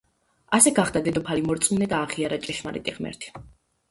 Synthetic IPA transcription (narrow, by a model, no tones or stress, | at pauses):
asɛɡaχd̪ad̪ɛd̪ɔpʰalimɔɾt̪sʼmunɛd̪aːʁiaɾat͡ʃʼɛʃmaɾɛ̰t̪ʼiʁmɛ̰ɾt̪ʰi̥